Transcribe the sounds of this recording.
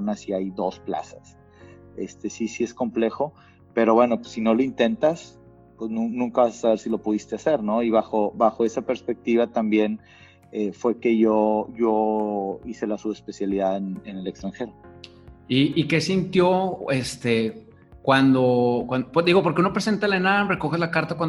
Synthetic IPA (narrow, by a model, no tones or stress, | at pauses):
nasiajðo̞spla̰sas | e̞̰st̪e̞sisie̞sko̞mple̞xo̞ | pe̞ɾo̞βwe̞no̞pwesːino̞loint̪e̞nt̪as | pweznũnũŋkaβasḁsaβe̞ɾsilo̞puð̞ist̪ease̞ɾno̞iβaxo̞βaxo̞e̞sape̞ɾspe̞k̚t̪iβat̪ambje̞n | efwe̞ke̞ʝoʝo | ise̞lasuespe̞sjaliðaðenene̞le̞kst̪ɾaŋxe̞ɾo | iʔːke̞sint̪jo̞e̞st̪e̞ | kwand̪o̞kwanpd̪iɣo̞poɾkeuno̞pɾese̞nt̪alenamreko̞xezlakaɾt̪akwan